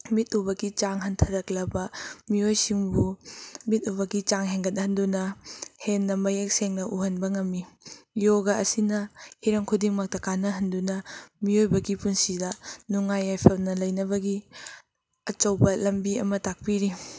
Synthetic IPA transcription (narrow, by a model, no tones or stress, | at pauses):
mitubɐɡit͡ʃaŋɦɐntʰɐɾɐklɐbɐmiojsiŋbumit̚ubɐɡit͡ʃaŋɦeŋɡɐt̚nɐhɐndunɐhenːɐmɐjek̚seŋnɐʔuɦɐnbɐŋɐmːijoɡɐɐsinɐhiɾɐŋkʰudiŋmɐk̚tɐkanɐɦɐndunɐmiojbɐɡipunsidɐnuŋajajpʰɐlnɐlɐjnɐβɐɡi | ɐt͡ʃɐwbɐlɐmbiɐ̰mɐtak̚piɾi